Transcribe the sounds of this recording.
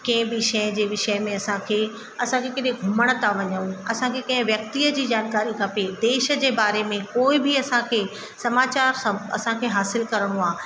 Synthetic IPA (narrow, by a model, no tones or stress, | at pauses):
kɐ̃ɦɪ̃bɪʃə̃d͡ʑeːʋɪʃəɪmẽɐsãkʰeː | ɐsãkʰekɐɗɪɡʱʊməɽ̃ə̆t̪ʰaʋɐɲəũɐsãkʰekɐ̃ɦɪ̃ʋjɐk̚t̪iːəd͡ʑiːd͡ʑaːnkaːɾikʰɐped̪eːʃə̆d͡ʑeːbaːɾemẽkoːɪbiɐsãkʰeː | sɐmaːt͡ɕaːɾsãɐ̰sãkʰeːɦaːsɪlkɐɾəɽ̃oaː